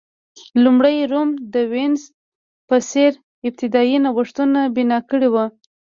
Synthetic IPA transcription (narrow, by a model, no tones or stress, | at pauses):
lumɽəjɾomd̪əwɪnz | pəseɾ | ɪb̚t̪ɪd̪ɑjinawəʂt̪unabɪnɑkəɽiwa